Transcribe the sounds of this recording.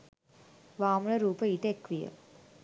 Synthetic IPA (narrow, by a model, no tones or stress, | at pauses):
ʋaːmuɭɐɾuːpəiʈekʋijɐ̰